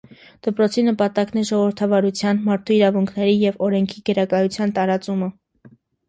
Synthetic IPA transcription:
d̪̥əpɾɔt͡sʰinəpɑt̪ɑknɛʒɔʁɔvəɾt̪ʰɑvɑɾut͡sʰjɑnmɑɾt̪ʰuiɾɑvuŋkʰnɛɾijɛvɔɾɛŋkʰiɡəɾɑkɑjut͡sʰjɑnt̪ɑɾɑt͡sumə

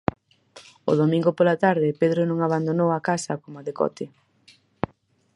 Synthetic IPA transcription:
o̰ðomĩŋɡopolat̪aɾðɪpeðɾonõŋaβand̪onowakasɐkomaðekɔ̰t̪ɪ

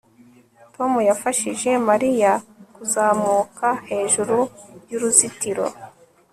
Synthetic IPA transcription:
to̞mujafaʃiʒe̞maɾijakuzaːmuːkahe̞ːʒuɾuɾjuɾuzitiɾo̞̰

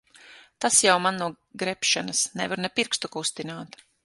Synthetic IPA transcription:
t̪asjawmanːuɔ | ɡɾɛpʃanɐsnɛvaɾnɛpiɾkst̪ukust̪inaːt̪

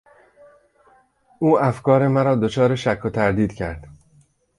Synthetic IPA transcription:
ʔuːæfkʰɒːɾe̞mæɾɒːd̪o̞t͡ʃʰɒːɾeʃækʰːot̪ʰæɾd̪iːd̪cʰæ̰ɾd̪̥

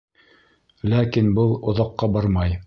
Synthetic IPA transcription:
lækinbɤlˠŏðɑqːɑbɑɾmɑj

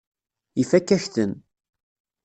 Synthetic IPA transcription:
ifækːæçθən

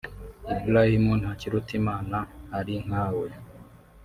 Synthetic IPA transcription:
ibulahimunaciɾutimaːnahaɾiŋ̥haːwe

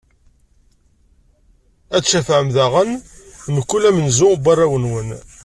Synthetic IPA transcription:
æt͡sːʃæfʕəmðæʁənməkːulæmənzʊbɑrˤːæwənwən

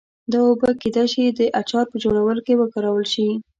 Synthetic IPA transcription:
d̪ɑobəked̪ajʃid̪əʔat͡ʃɑɾpəd͡ʒoɽawəlokewəkaɾawəlʃi

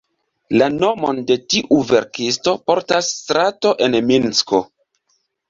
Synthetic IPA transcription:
lano̞mo̞̰nde̞tiʔuve̞ɾkis̬to̞po̞ɾtasːtɾato̞ʔe̞nminsko̞

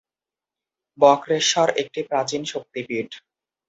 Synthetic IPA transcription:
bɔkɾeɾʃɔɾek̚ʈipɾat͡ɕinʃok̚t̪ipiɖ

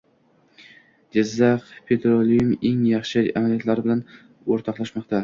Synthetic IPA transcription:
d͡ʒɪzːɑqpʰe̞t̪ʰɾolijumeŋjɑχʃɪamalijat̪laɾɪbɪlan | oɾt̪ʰɒqlˠaʃmɒqt̪ʰa

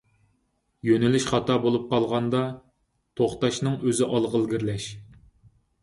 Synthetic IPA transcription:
jønɪlyʃχɑt̪ʰɑbolˠup̚qʰɑlˠʁɑnd̪ɑ | t̪ʰoχt̪ɑʃnɨŋøzɪʔɑlˠʁəlˠɡʲiɾlɛʃ

